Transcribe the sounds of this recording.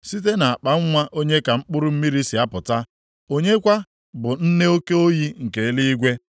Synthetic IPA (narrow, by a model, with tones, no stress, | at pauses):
si˦t̬e˦na˨a˨k͡pa˨ŋ̩˦ŋʷa˦ʔo˦ɲe˦ka˨ŋ͡m̩˦k͡pʊ˦ɾʊ˦m̩˦mi˦ɾi˦si˨a˦pʊ˨ta˦ | o˦ɲe˦kʷa˦ | bʊ˨n̩˦ne˦o˦ke˦o˦ji˦ŋ̩˨ke˨˦li˦i˦ɡʷe˦